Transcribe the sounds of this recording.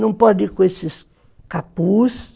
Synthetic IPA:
nɐ̃w̃pɔdikõesɪs | kapus

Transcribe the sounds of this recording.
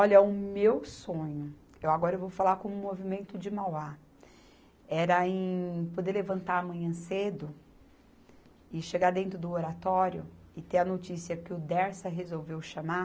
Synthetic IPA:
ɔʎɐʊmewsõɲʊ | ewaɡɔɾɐewvowfalakõmʊmovimẽnt̪ʊd͡ʒɪmawa | ɛɾɐẽj̃pod̪eɾlevɐ̃nt̪aɾɐmɐ̃ɲɐ̃sed̪ʊ | ɪʃeɡaɾd̪ẽnt̪ɾʊd̪ʊoɾat̪ɔɾjʊɪt̪eɾɐnot͡ʃisiɐkɪʊd̪ɛɾsɐɦezowvewʃama

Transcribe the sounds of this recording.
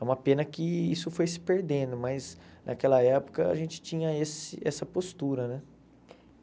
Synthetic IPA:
ɛũmɐpẽnɐkɪisʊfojsɪ̥peɾd̪ẽd̪ʊmɐznʔakɛlɐɛpʊ̥kɐa̰ʒẽt͡ʃɪ̥t͡ʃĩɲɐesɪ̰ɛsɐpost̪uɾɐnɛ

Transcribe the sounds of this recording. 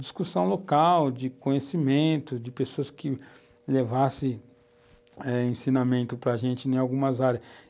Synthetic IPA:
d͡ʒi̥skusɐ̃w̃lokawd͡ʒɪkõɲesimẽnt̪ʊd͡ʒɪpesoɐskʰɪ | levasɪ | ɛẽsinamẽnt̪ʊpɾɐʒẽnt͡ʃɪnẽj̃awɡũmɐzaɾʲɐs

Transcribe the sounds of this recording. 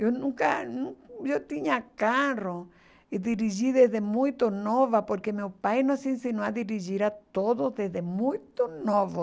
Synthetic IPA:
onũŋka̰nũʒot̪iɲakaro | id̪iɾiʒiðezðemũjt̪onoβapoɾkemewpajnõsinsinoaðiɾiʒiɾat̪oðoðezðemũjt̪onoβo

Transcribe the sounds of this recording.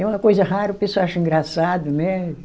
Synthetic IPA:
ɛũɐkojzɐɦaɾɐpisʊaʃɐĩŋɡɾasad̪ʊnɛ

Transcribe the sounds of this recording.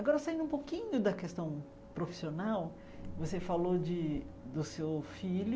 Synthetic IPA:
aɡɔɾɐsaĩd̪ũpokĩɲʊd̪ɐkest̪ɐ̃w̃ | pɾofi̥sionaw | vosefalod͡ʒɪ | d̪ʊsewfiʎʊ

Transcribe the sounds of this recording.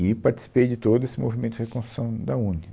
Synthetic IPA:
ɪpaɾt͡ʃi̥si̥pejd͡ʒɪt̪od̪ʊesɪmovimẽt̪ʊɪhekõsɾu̥sɐ̃w̃d̪ɐũni

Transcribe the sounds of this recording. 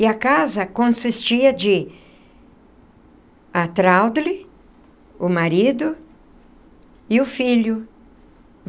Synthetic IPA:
ɪɐkazɐkõsist͡ʃiɐd͡ʒɪ | ɐt̪ɾawd̪lɪ | ʊmaɾid̪ʊ | ɪʊfiʎʊ

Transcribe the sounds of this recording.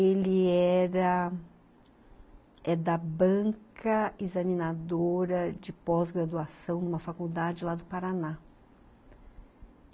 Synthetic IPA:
elɪɛɾɐ | ɛd̪ɐbɐ̃kɐezɐmĩnad̪oɾɐd͡ʒɪpɔzɡɾad̪uasɐ̃w̃nũmɐfakuwd̪ad͡ʒɪlad̪ʊpaɾana

